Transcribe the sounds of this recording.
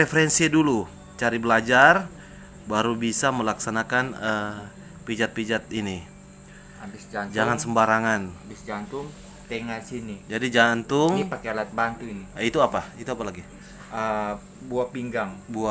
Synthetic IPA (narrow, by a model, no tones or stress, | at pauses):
ɾefəɾɛnsidulu | t͡ʃaɾibəlad͡ʒar | baɾubisaməlaksanakanə | pid͡ʒat̪̚pid͡ʒat̪ini | abɪsd͡ʒad͡ʒaŋansəmbaɾaŋanabɪsd͡ʒant̪ʊŋ | t̪eŋasinid͡ʒadid͡ʒant̪ʊŋnipakealat̪̚bant̪uiniit̪uapait̪uapalaɡi | ə | buapiŋɡaŋbua